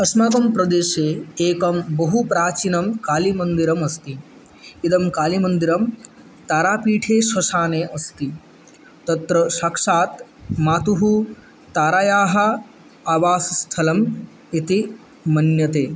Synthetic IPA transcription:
ɐsmɐkɐmpɾɐd̪eːʃeːeːkɐmbɐɦupɾaːt͡ʃinɐmkaːlimɐnd̪iɾɐmɐst̪i | id̪ɐmkaːlimɐnd̪iɾɐm | t̪aːɾaːpiːʈʰeːʃɐʃaːneːʔɐst̪i | t̪ɐt̪ɾɐʃaːkʂaːt̪maːt̪uɦu | t̪aːɾaːjaːɦɐ | aːʋaːsst̪ʰɐlɐm | it̪i | mɐnjɐt̪eː

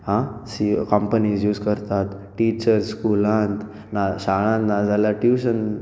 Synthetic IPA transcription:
ɦãsikɔmpənisjuːskəɾt̪at̪ʈit͡ɕəɾskulãnt̪ | naɕaɭ̃ãnt̪nad͡zalaʈjuɕən

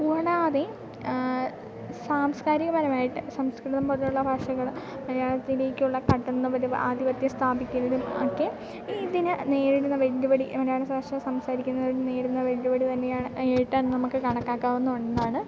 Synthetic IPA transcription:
uɐɽaɐðe | saːmskaːɾiɣɐmɐɾɐmaːjiʈːɨsɐmskɾiʈt̪ːɐmpɐðɐjuɭːɐbʱaːʂɐɣɐɭ | mɐɾjaːɭɐt̪ːile̞ːkʲːɨuɭːɐkɐʈːɐnːɨʋɐɾuaːd̪iʋɐt̪jɐst̪ʰaːbikʲːunːɐɾumokːe | iðinɨne̞ːɾiɽunːɐʋeɭːubɐɽimɐɾjaːɭɐsbʱaːʂɐsɐmsaːɾikʲːunːɐɽine̞ːɽunːɐʋe̞ɭːubɐɽit̪ɐnːe̞jaːɳɨejiʈːanɨnɐmukːɨkɐɳɐkːaːkːaːʋenːuoɳɖenːaːɳɨ

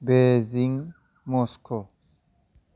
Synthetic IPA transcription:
beziŋ | mɔskʰo

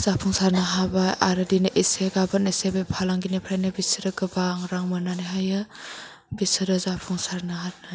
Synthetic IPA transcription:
z̥apʰuŋsaɾnaɦabajaɾɯdinʔeseɡabatnesebepʰalaŋɡinepʰɾajnɯbisiɾɯɡɯbaŋɾaŋmɯnaniɦajɯ | bisɯɾɯzapʰuŋsaɾnaɦat̚naj

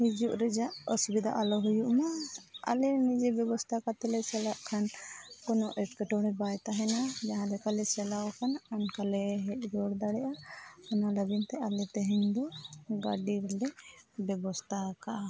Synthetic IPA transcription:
hid͡ʒuʔɾɛd͡ʒaʔɔsubid̪a̰ʔalɔɦujuʔmaa̰lɛnid͡ʒɛbjɛbɔst̪ʰakat̪ɛlɛsɛlaʔkʰankɔnɔʔɛʈkɛʈɔɽɛ̃bajt̪aɦɛnad͡ʒaɦãd̪ɛkalɛsɛlaɔkʰanankalɛɦɛʔ̚ˀd͡ʒɔɽd̪aɽɛʔaanalabint̪ɛalɛt̪ɛɦɛɲd̪ɔɡaɖiɾɛlɛbɛbɔst̪ʰakaʔa

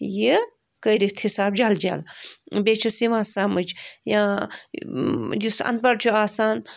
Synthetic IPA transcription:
ji | kəːɾit̪ʰhisaːbd͡ʒaːld͡ʒa̰ːlbet͡ʃʰusiʋãːsaːmɨd͡ʒjã | jisɐ̰̃nt̪̚bɐɽt͡ʃʰuaːsaːn

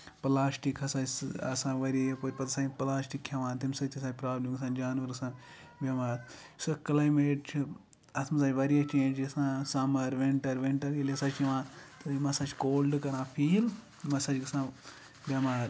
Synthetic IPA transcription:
plaːsʈikʰɐsãːɐ̰sãːʋɐɾipoːɾʲpɐt̪sãːplaːsʈikʰːʲɐʋãːnt̪imsɐt̪ʰis̬aːpɾaːblimɐsãːd͡ʒaːnʋɐɾɐsãː | bjɐmaːɾ | sɐkɐlaːjmeːʈ̚t͡ʃʰi | ɐt̪ʰmɐsaːt͡ʃʲʋɐɾiɐt͡ʃẽːnd͡ʒɐsãːsɐmɐɾʋeɳʈɐɾʋeɳʈɐɾilesɐt͡ʃiʋãːt̪ɨimɐsãːt͡ʃkoːlɖɨkɐɾãːpʰiːl | mɐsɐd͡ʒkɐsãː | bjɐmaːɾ

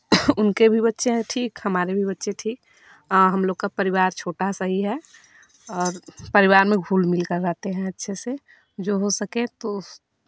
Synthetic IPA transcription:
ʊnkebʱibətːʃẽʈʰiːkhəmaːɾebʱibətːʃẽʈʰiːk̚ | ɦɐmloːɡkapəɾɪwaːɾt͡ʃʰoːʈasəɦiɦɛ | ɔːɾpəɾiʋaːɾmẽɡʱuːlmɪlkəɾɾaːt̪eɦɛ̃ətːʃʰese | d͡ʒoɦosəkẽt̪o

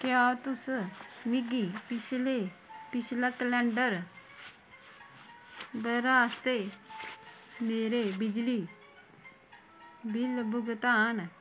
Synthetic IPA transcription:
kjaːt̪ʊsmiɡipɪt͡ʃʰlepɪt͡ʃʰlakəlɛ̃ːɳɖəɾ | bəɾaːst̪e | meːɾebɪd͡ʒli | bɪlbʊɡt̪aːn

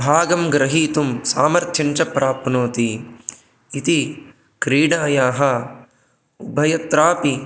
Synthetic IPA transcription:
bʱaːɡɐmɡɾɐɦiːt̪umsaːmɐɾt̪ʰjɐɲt͡ʃɐpɾaːpnoːt̪i | it̪i | kɾiːɽaːjaːɦɐ | ubʱɐjɐt̪ɾaːpi

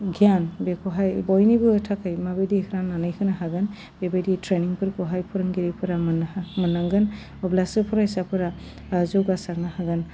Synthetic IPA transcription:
ɡijanbekɔɦajbɔjnibɯtʰakʰɯjmabedikʰɯɾananɯjkʰɯnaɦaɡɯn | bebeditʰɾeniŋpʰɯɾkɔɦajpʰɔɾɯŋɡiɾipʰɯɾamnamɯnaŋɡɯn | ɔblasɯpʰɔɾaisapʰɯɾa | zɔɡasaɾnahaɡɯn

